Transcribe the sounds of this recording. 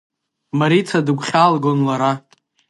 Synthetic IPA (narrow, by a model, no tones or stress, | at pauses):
maɾit͡sʰadɨkʷʰʼχʲalɡonlaɾa